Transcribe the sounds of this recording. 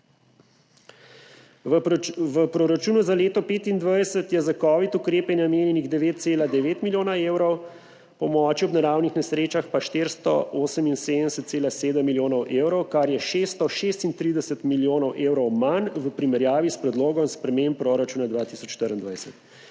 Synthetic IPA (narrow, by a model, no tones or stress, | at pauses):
ʋəpɾoɾat͡ʃuːnuzaleːt̪ɔpeːt̪ind̪ʋajsət̪jɛzakɔːʋit̪ukɾeːpɛnnameːnjɛniɣd̪ɛʋeːt̪̚t̪seːlad̪ɛʋeːt̪miljoːnaeːwɾɔw | pɔmɔːt͡ʃiɔbnaɾawnixnɛsɾeːt͡ʃaxpaʃt̪eɾst̪ɔ̰ʔoːsəminseːd̪ənɛsət̪seːlaseːd̪əmːiljoːnɔwʔeːwɾɔwkaɾjɛʃeːst̪ɔʃeːst̪int̪ɾiːd̪ɛsət̪miljoːnɔwʔewɾɔwmanʋəpɾimɛɾjaːʋispɾɛd̪loːɡɔmspɾɛmemppɾoːɾat͡ʃuːnad̪ʋaːt̪isɔt͡ʃʃt̪əɾind̪ʋajsət̪